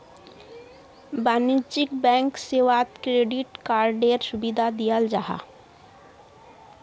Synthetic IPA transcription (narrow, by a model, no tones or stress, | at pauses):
banit͡ʃikbɛ̃ŋkseʋat̪kɾeɖiʈkaːɾɖeɾsubid̪ʱad̪ijəld͡ʒaɦa̰